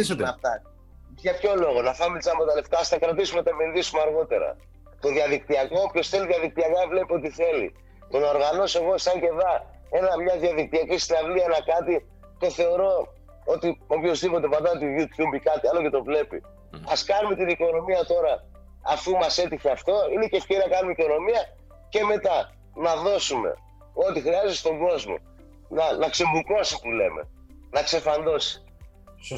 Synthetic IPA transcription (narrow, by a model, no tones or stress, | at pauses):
ɐft̪ɐ | ʝɐpço̞lo̞ɣo̞nɐθɐmet̪isɐpot̪ɐle̞ft̪ɐːst̪ɐkɾɐt̪isumenɐt̪ɐmilðisumeɐɾɣo̞t̪e̞ɾɐ̰ | t̪o̞ðiɐðik̚t̪iɐkoopço̞sθe̞liðiɐðik̚t̪iɐkɐvle̞pio̞t̪iθe̞lḭ | t̪o̞nɐoɾɣɐno̞se̞ɣo̞sɐɲɟe̞vɐ | e̞nɐmɲɐðiɐðik̚t̪iɐcisinɐvlienɐkɐt̪i | t̪o̞θe̞o̞ɾo̞ | o̞t̪io̞pço̞zðipot̪e̞pɐnd̪ɐt̪iðjut̪çumbikɐt̪iɐlo̞ce̞t̪o̞vle̞pḭ | ɐskɐnume̞t̪iniko̞no̞miɐt̪o̞ɾɐ̰ː | fumɐse̞t̪içe̞ɐft̪o̞ine̞cefceɾinɐkɐnumeiko̞no̞miɐ | ce̞me̞t̪ɐ | nɐðo̞sume̞̰ | o̞t̪ixɾiɐzet̪st̪o̞ŋɡo̞zmo̞̰ | nɐnɐkse̞mukoɐsit̪ule̞̰mḛ | nɐkse̞fɐnd̪o̞si̥